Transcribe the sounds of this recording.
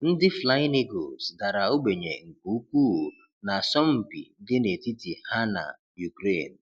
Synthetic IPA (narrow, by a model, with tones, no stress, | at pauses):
n̩˦dɪ˦fla˦ɪ˦ne˦ɡo̰˨sda˨ɾa˨o˦ɡ͡be˨ɲḛ˨ŋ̩˨ku˨u˦k̚ʷu˦˨ | na˨sɔ˦m̩˨pḭ˨dɪ˦ne˨ti˦ti˨ha˦na̰˨ | ju˨kɾe˦˨n̩˨